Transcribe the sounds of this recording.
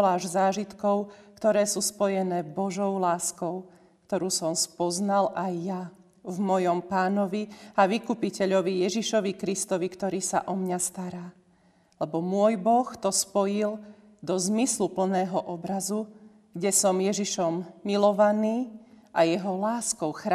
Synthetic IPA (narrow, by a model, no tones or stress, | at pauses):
laːʒzaːʒit̪kɔʊkt̪ɔɾɛːsuːspɔjɛnɛːbɔʒɔʊlaːskɔʊ | kt̪ɔɾuːsɔmspɔznalajːa | vmɔjɔmpaːnɔʋiaʋikuːpicɛʎɔʋijɛʒiʃɔʋikɾist̪ɔʋikt̪ɔɾiːsa̰ʔɔmɲast̪aɾaː | lɛbɔmʊɔjbɔxt̪ɔspɔjil | d̪ɔzmislupl̩nɛːɦɔʔɔbɾazu | ɡɟɛsɔmjɛʒiʃɔmːilɔʋaniːʔajɛɦɔlaːskɔʊxɾa